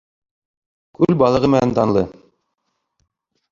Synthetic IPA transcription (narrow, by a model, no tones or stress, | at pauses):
kʉlbɑlˠɤ̆ʁɤmɘ̆nænt̪ɑnlˠɤ